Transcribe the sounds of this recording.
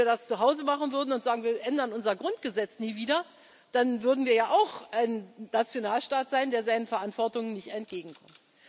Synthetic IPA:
viɐdast͡suɦaʊzəmaχn̩vʏɐdn̩ʊntz̥aːɡŋ̩viːɐʔɛndɐnʔʊnzɐɡʁʊnt̚ɡ̥əzɛt͡sniːviːdɐ | d̥anvʏɐdn̩viːɐjaːʔaʊxʔaɪnːat͡sjonaːlʃtaːtz̥aɪndeːɐzaɪnənfɛɐʔantv̥ɔɐtʊŋənnɪçtɛnt̚ɡ̥eːɡŋ̩kʰɔmt

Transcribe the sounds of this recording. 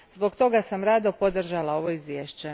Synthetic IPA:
zbo̞ɡt̪o̞ɡasamɾaːd̪opo̞d̪r̩ʒalˠao̞ʋo̞izʋʲjeːʃt͡ɕe

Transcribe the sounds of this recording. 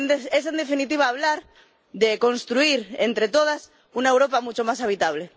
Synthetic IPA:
es̬end̪efinit̪̬iβ̞aːβlaɾ | ðekõ̞nst̪ɾuiɾent̪ɾet̪oðas | unaewɾo̞pamut͡ʃomasaβ̞it̪aβ̞le̞

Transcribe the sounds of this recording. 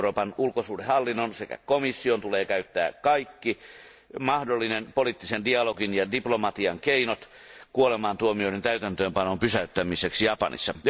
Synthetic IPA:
roːpɑnulkosuːdehɑlːinːonsekæ̰komisːiont̪uleːkæyt̪ːæ̰ːkɑikːi | mɑhdolːinenpolit̪ːisendiɑloɡinjɑdiplomɑt̪iɑŋkeinot̪ | kuolemɑːnt̪uomioiɾent̪æyt̪ænt̪øːmpɑnompysæyt̪ːæmiseksijɑpɑ̰nḭsːɑj

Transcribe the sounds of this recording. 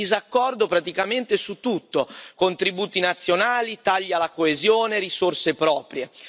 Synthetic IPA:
izakːɔrd̪opɾat̪ikament̪esut̪ːut̪ːokont̪ɾibuːt̪inat̪sːjonaːlit̪aʎːalakoezjoːnerisorsepɾɔːpɾje

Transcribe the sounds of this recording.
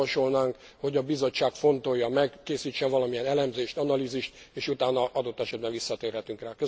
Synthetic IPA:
ɒʃolnaːŋk | ho̞ɟɒbizo̞t͡ʃːaːkfo̞nt̪o̞jːɒmɛkːeːsiːt͡ʃːɛnvɒlɒmijɛnɛlɛmzeːʃt̪ɒnɒliziʃt̪eːʃut̪aːnɒʔɒd̪o̞t̪ːɛʃɛd̪̚bɛnɱʋisːɒt̪eːrɦɛt̪yŋkraːkø

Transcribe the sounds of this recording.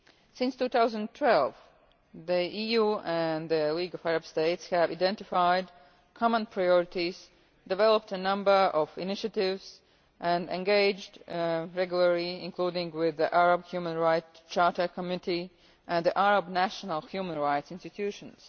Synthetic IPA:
sɪ̃nstuːθaʊzə̃ntʰw̥ɛlˠv | ðiʔijuɨ̃nðɨliɡʌvæɹɨb̥steɪtshɨvaɪdɛ̃ntɪfaɪd | kʰɑmə̃npʰɹaɪɔɹɨtiz̥ | dɨvɛlˠəp̚tənʌ̃mbə˞ʔʌvɪ̰nɪʃɨtɪvz̥ | ʔɨ̃ndɛ̰̃nɡeɪd͡ʒdɹɛɡjl̩ˠə˞liɪ̃nkʰl̥udɪ̃ŋwɪðiʔæɹəbhjumə̃nɹaɪtt͡ʃɑɹtə˞kʰəmjũnɪti | ʔɨ̃nðiʔæɹəbnæʃənəl̩ˠhjumə̃nɹaɪtsɪ̃nstɨtʰʉʃə̃nz̥

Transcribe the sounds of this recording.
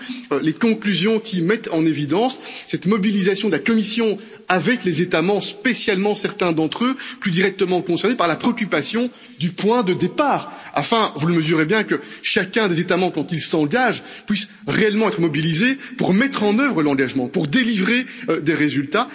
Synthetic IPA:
ølekɔ̃klyzjɔ̃kʲimɛt̪ɑ̃nevid̪ɑ̃sːɛt̪mɔbilizasjɔ̃d̪əlakɔmisjɔ̃ | avɛklezet̪amɑ̃bʁəspesjalmɑ̃sɛʁt̪ɛ̃d̪ɑ̃t̪χøplyd̪iʁɛk̚t̪əmɑ̃kɔ̃sɛʁnepaʁlapχeɔkʲypasjɔ̃ | d̪ypwɛ̃d̪əd̪epaːʁa̰fɛ̃vuləməzyʁebjɛ̃kəʃakʲɛ̃d̪ezet̪amɑ̃bʁəkɑ̃t̪ilsɑ̃ɡaʒ | pɥis | ʁeɛlmɑ̃ɛt̪χəmɔbilizepuʁmɛt̪χɑ̃nœvʁəlɑ̃ɡaʒmɑ̃puʁd̪elivʁeød̪eʁezylt̪a

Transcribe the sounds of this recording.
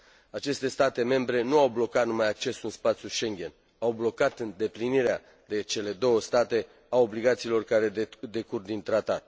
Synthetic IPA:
at͡ʃe̞st̪e̞st̪at̪e̞me̞mbɾe̞nuawblo̞kat̪numajak̚t͡ʃe̞sɨnspat̪sʲjuʃe̞ŋɡʲe̞n | awblo̞kat̪ɨnd̪e̞pliniɾea | d̪e̞t͡ʃe̞le̞d̪o̞wəst̪at̪e̞ | ao̞bliɡat̪siːlo̞rkaɾe̞d̪e̞kurd̪int̪ɾat̪at̪̚

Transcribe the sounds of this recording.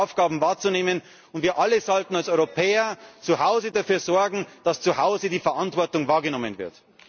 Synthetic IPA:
ʊfɡ̥aːbm̩vaːɐt͡suneːmən | ʊntv̥iːɐʔaləzɔltn̩alsɔʏʁopʰɛːɐt͡suhaʊzədafyːɐzɔɐɡŋ̩d̥ast͡suhaʊzədiːfɛɐʔantv̥ɔɐtʊŋvaːɐɡənɔmənvɪɐt

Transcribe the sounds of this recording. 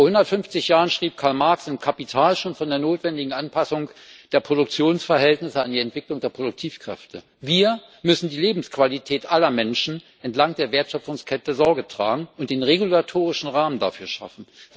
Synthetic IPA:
foɔɐhʊndɐtfʏnft͡sɪçjaːʁənʃʁ̥iːp̚kʰaɐlmaɐksɪnkʰapitʰaːlʃoːnfɔndeːɐnoːtv̥ɛndɪɡŋ̩ʔanpʰasʊŋd̥eːɐpʁ̥oɾʊk̚t͡sjoːnsfɛɐhɛltnɪsəandiːɛntv̥ɪklʊŋdeːɐpʁ̥odʊk̚tʰiːfkʁ̥ɛ̰ftʰə | viːɐ | mʏsn̩diːleːbm̩skv̥alitʰɛːtʔalɐmɛnʃn̩ | ʔɛntlaŋd̥eːɐveːɐtʃœpfʊŋskʰɛtəzɔɐɡətʁ̥a̰ːɡŋ̩ʊnt̚d̥eːnʁeɡulatʰoːʁ̞ɪʃn̩ʁaːmənda̰fyːɐʃa̰fn̩

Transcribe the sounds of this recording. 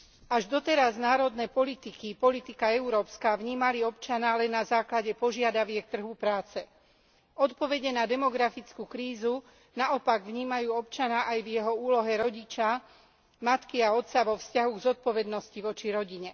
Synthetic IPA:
aʒd̪ɔt̪ɛɾaznaːɾɔd̪nɛːpɔlit̪ikipɔlit̪ikaɛuɾɔːpskaːʋɲiːmaliɔpt͡ʃanaːlɛnːazaːklaɟɛpɔʒɪad̪aʋɪɛk̚t̪r̩ɦupɾaːt͡sɛ | ɔt̪pɔʋɛɟɛnad̪ɛmɔɡɾafit͡skuːkɾiːzu | naɔpaɡʋɲiːmajuːɔpt͡ʃaɲaːʔajvjɛɦɔuːlɔɦɛɾɔɟit͡ʃa | mat̪kiaɔt̪t͡saʋɔfscaɦuɡzɔt̪̚pɔʋɛd̪nɔsciʋɔt͡ʃiɾɔɟiɲɛ

